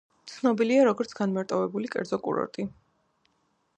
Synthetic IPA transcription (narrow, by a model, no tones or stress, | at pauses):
t̪sʰnɔbiliaɾɔɡɔɾt̪sʰɡanmaɾt̪ʼɔvɛbulikʼɛ̰ɾd̪zɔkʼṵɾɔ̰ɾt̪ʼi